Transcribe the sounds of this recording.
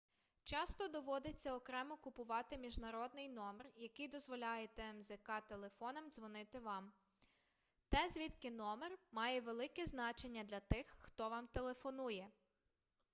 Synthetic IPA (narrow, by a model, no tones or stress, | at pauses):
t͡ʃɑst̪ɔd̪ɔʋɔd̪et͡sʲːɐɔkɾɛmɔkʊpʊʋɑt̪ɪmʲiʒnɐɾɔd̪̚nɪjnɔmerjɐkɪjd̪ɔzʋɔlʲɑjet̪ɛmzekɑt̪e̞lˠe̞fɔnɐmd̪zʋɔnɪt̪ɪʋɑm | t̪ɛzʲʋʲit̪kɪnɔmermɑjɛʋelˠɪkɛznɑt͡ʃe̞nʲːɐd̪lʲɐt̪ɪxːt̪ɔʋɑmt̪elˠe̞fɔnujɛ